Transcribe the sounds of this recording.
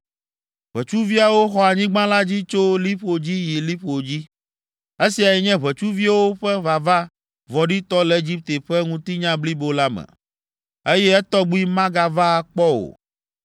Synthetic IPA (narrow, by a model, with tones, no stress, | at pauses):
β̥ɛ˨t͡ʃu˦vi˦a˨wo˦xɔ˨a˨ɲĩ˦ɡ͡bã˦la˦d͡ʑi˦t͡ʃo˦li˦ɸo˨d͡ʑi˦ji˨li˦ɸo˨d͡ʑi˦ | e˦si˨a˨jɛ˨ɲɛ̃˦βɛ˨t͡ʃu˦vi˦a˦wo˦ɸɛ˦βa˨va˦ | vɔ˨ɖi˦t̪ɔ˦lɛ˨e˦d͡ʑi˦p̚t̪e˨ɸɛ˦ŋũ˦t̪i˦ɲã˦bli˦bo˦la˦mɛ̰˨ | e˦jɛ˦ɛ˦t̪ɔ˦ɡ͡bu˦i˦mã˦ɡa˨va˦˨k͡pɔ˦o̰˨